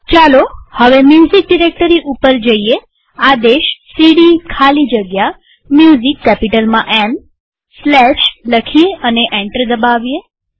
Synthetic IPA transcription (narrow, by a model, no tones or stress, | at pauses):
t͡ʃalohəʋemjuzik̚ɖiɾek̚ʈəɾiʔupəɾd͡ʒəie | ad̪eʃsiɽikʰalid͡ʒəɡja | mjuzikːɛpiʈəlmãʔɛm | slɛʃləkʰieəneʔɛ̃ɳʈəɾd̪əbaʋije